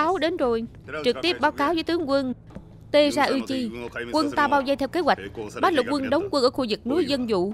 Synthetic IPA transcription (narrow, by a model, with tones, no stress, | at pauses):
a˨˦wɗe˨˦nzo˨˩j | t͡ɕɨ˨˩k̚t̪i˦˥əp̚ɓaː˨˦wkaː˨˦wzəː˨˦jt̪ɨ˨˦əŋkwə˧n | t̪e˧zaː˧ʔɨ˧t͡ɕi˧kwə˧nt̪aː˧ɓaː˧wza˧jt̪ʰɛ˧wke˨˦˥hwa˨˩jk̟̚ɓaː˦˥t̚lə˨˩k̚wə˧nɗə˨˦wŋ͡mkwə˧nʔəː˧˩xu˧˩zɨ˨˩k̚nu˨˦jzə˧nzṵ˧˨